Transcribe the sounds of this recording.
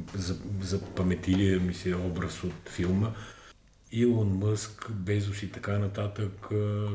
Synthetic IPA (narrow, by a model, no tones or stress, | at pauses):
zɐzɐpɐmɛt̪iliɛmisɛɔbɾəsot̪filˠmə | ilˠonmɤskbɛzʊsit̪ɐkanɐt̪at̪ək